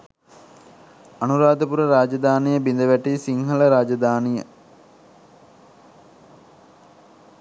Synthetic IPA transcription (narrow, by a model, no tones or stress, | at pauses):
anuɾaːd̪əpuɾəɾaːd͡ʒɐd̪aːnijəbind̪əʋæʈisiŋɦələɾaːd͡ʒɐd̪aːnijə